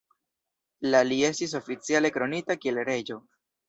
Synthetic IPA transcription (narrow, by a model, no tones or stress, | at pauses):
lalie̞stis̬o̞fit͡siale̞kɾo̞nitakielɾe̞d͡ʒo̞